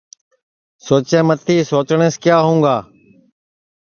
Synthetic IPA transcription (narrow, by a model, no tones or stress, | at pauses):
soːt͡ʃẽːmət̪ʰiːsoːt͡ʃɳ̃eːskjaːɦũːɡaː